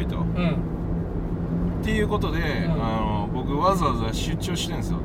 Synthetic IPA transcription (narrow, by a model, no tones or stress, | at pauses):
it̪õ̞̰ | t̪ːe̞jɯ̟ːko̞t̪o̞d̪e̞ano̞bo̞kɯ̟βazɨazɨaɕɨːt͡ɕo̞ːɕi̥t̪ẽ̞ñsɨjo̰